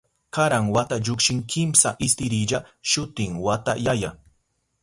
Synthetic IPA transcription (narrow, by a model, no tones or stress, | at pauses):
kaɾaŋwat̪aʎʊkʃɪŋkʰɪmsaʔɪst̪ɪɾɪʎaʃʊt̪ɪŋwat̪ajaja